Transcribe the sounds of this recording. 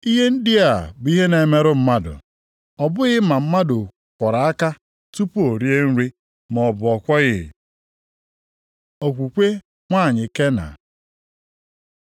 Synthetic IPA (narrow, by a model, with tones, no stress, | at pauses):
i˦ɦe˦n̩˦dɪ˦a˨bʊ˨˦i˦ɦe˦ne˨me˦ɾʊ˦m̩˦ma˦dʊ̰˨ | ɔ˨bʊ˦ɣɪ˦ma˨m̩˦ma˦dʊ˨ | kʷɔ˨ɾa˨a˦ka˦ | tu˦pu˦o˨ɾje˦n̩˦ɾi˦ | mɔ˨bʊ˨ɔ˨kʷɔ˦ɣɪ˦˨ | o˨kʷu˨kʷe˦ | ŋʷa˦˨ɲɪ˨ke˦na̰˨